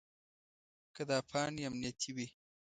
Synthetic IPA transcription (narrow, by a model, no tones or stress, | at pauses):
kad̪ɑpʰɑniamnijat̪ʰiwi